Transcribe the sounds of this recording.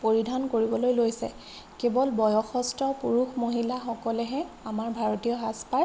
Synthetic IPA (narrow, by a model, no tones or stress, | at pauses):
poɹidʱankoɹibɔlojlojsɛ̰ | kebɔlbɔjɔxɔstɔpuɹuxmoɦilaxɔkɔlɛɦɛamaɹbʱaɹotijɔɦaspa